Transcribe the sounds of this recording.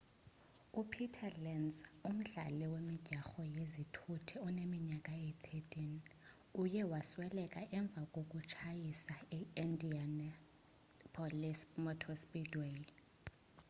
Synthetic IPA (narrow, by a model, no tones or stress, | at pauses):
upʰitʰalɛnzum̩ɮa̰lɛwemiɟ̥ʱaxɔjezitʰutʰiɔnemiɲakʼaet̪ʰetʼini | ujɛwaswɛlɛkʼaʔɛɱb̪vʱakʼok̬ʼut͡ʃʰajisaɛindian | pʰɔlismɔtʰɔspʼidwe